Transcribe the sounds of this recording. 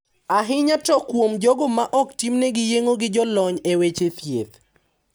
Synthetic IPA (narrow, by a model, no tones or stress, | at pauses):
aɦɪɲatɔkwomd͡ʒɔɡomaʔɔktimneɡɪjeŋoɡɪd͡ʒɔlɔɲewet͡ʃet̪jḛt̪